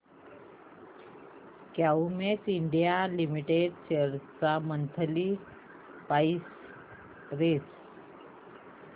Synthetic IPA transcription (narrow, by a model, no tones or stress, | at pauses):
kjaumet͡siɳɖijalimiʈeɖɕeɾt͡samənt̪ʰəli | pais | ɾes